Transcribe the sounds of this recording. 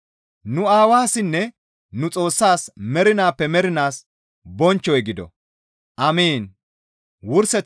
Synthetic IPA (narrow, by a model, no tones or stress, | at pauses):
nʊaːwaːsɪnːɛ | nʊt͡sʼo̞ːsːaːsmɛɾɪnaːpːɛmɛɾɪnaːs | bɔnt͡ʃːɔjɡɪd̪ɔ̰ | ʔɐmiːn | wʊɾsɛ